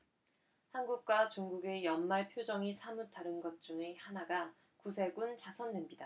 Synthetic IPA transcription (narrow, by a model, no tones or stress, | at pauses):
hanɡuk̚k͈wat͡ɕuŋɡuɡe̞jʌnmaɭpʰjod͡ʑʌŋisʰamutʰaɾɯnɡʌt̚t͡ɕ͈uŋehanaɡa | kus̬ʰe̞ɡunt͡ɕasʰʌnːwemɲida